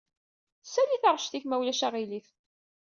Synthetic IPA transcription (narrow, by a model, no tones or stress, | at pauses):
sæliθəʁʃθiçmæwlæʃaʁiliθ